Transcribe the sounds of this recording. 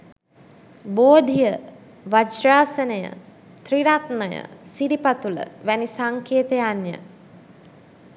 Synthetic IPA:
boːd̪ʱijə | ʋad͡ʒraːsənəjə̰ | t̪riɾat̪nəjə̰siɖipat̪ulə̰ʋænisaŋkʰeːt̪ejanjə̰

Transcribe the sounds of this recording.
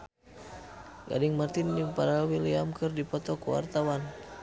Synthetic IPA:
ɡa̰dɪŋmart̪ɪndipaɾawiliamkɨrdipɔt̪ɔkuwa̰rt̪awan

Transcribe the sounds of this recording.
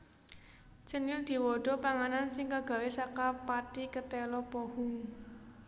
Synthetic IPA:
t͡ʃənɪld̪̥i̤wɔɖ̥ɔ̤paŋanansɪŋkaɡ̥ä̤wesakapaʈikət̪ɛlɔpɔhʊŋ

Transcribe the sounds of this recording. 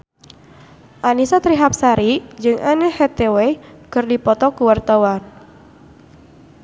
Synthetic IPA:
ʔanisat̪ɾiɦap̚saɾid͡ʒɨŋanɛhet̪ewekɨrdipɔt̪ɔkuwart̪awan

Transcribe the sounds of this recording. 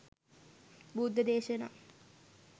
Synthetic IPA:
bud̪ʱːəd̪eːʃɐna̰ː

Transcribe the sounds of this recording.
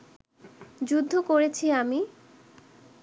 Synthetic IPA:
d͡ʑud̪ʱːokoɾet͡ɕʰiami

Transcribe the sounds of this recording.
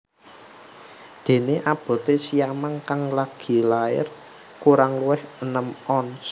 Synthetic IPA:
d̪̥e̤neʔab̥ɔ̤t̪esijamaŋkaŋlaɡ̥i̤laɪ̰r | kuɾaŋluwɪhənəmɔns

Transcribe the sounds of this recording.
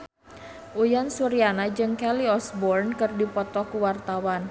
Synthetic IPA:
ʔujansuɾianad͡ʒɨŋkɛliɔsbɔrnkɨrdipɔt̪ɔkuwart̪awan

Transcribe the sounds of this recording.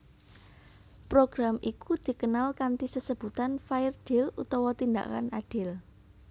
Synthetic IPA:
pɾoɡ̥ɾamʔikud̪̥i̤kənalkant̪isəsəb̥ṳt̪anfaɪrd̪̥elut̪ɔwɔt̪ind̪a̰ka̰naɖ̥ɪl

